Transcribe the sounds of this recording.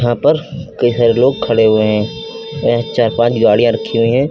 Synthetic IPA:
ɦãpɐɾkɐisaːɾeloːɡ̚kʰɐɽeɦʊeɦɛ̃ːɐãt͡ʃaːɾpãːt͡ʃɡaːɽijãɾɐkʰːiɦʊiɦɛ̃ː

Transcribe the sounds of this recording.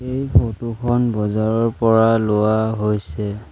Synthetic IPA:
ejkʰotukʰɔnbɔzaɹɔɹpɔɹalʊwaɦojsɛ

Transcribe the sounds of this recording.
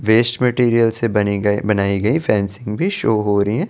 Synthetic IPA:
ʋeːsʈmeʈiːɾijəlsebɐnibɐnaːiɡɐifʰɛ̃ːnsɪ̃ŋɡbʱiʃoːɦoːɾɐɦiɦɛ̃ː

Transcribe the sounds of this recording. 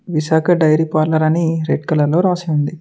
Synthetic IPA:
ʋiʃaːkɐɖɐjɾipaːɾlɐɾɐniɾeɖ̚kɐlɐɾlo̞ːɾaːseund̪i

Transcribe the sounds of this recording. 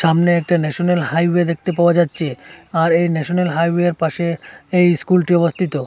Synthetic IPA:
ʃamneɛk̚ʈanɛʃonelhajwed̪ek̚t̪epaoad͡ʑatːɕʰeaɾejnɛʃonelɦajweeɾpaʃeejskulʈiɔbost̪ʰit̪o

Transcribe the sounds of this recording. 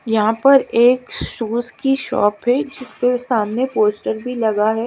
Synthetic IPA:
jɐɦãpɐɾeːkʃuːskiʃɔ̰ːpɦɛd͡ʒɪspesaːmnepoːsʈəɾbʱilɐɡaɦɛː

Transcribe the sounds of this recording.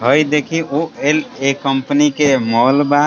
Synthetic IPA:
ɦəjd̪ekʰioelekəmpnikemɔːlba

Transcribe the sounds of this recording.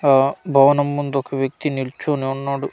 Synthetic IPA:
bʱɐʋɐnɐmːund̪ɔkɐʋjɐk̚t̪iniɭt͡ʃoːniɔɳːaːɽu

